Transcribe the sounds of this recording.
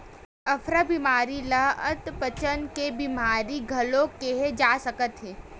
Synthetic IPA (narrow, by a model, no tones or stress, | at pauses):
ɐfʰɾabimaːɾiləət̪pət͡ʃənkebimaːɾiɡʱɐlõkeɦed͡ʒaːsəkət̪ɦɛː